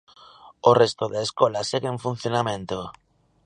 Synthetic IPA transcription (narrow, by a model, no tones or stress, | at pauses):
orest̪oðeːskɔlaseɣeẽɱfun̟θjonamẽnt̪o